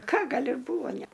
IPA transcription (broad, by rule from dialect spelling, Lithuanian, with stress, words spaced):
ˈkɐ ˈɡɐlʲ ɪr ˈbuːʋoː ˈnʲæ